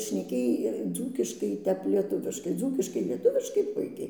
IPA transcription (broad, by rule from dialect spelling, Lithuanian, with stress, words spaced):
ʃʲnʲɛˈkʲeːj ˈd͡zuːkʲɪʃkɐɪ ˈtʲɛp lʲiɛˈtʊʋʲɪʃkɐɪ ˈd͡zuːkʲɪʃkɐɪ lʲiɛˈtʊʋʲɪʃkɐɪ ˈpʊɪkʲɛɪ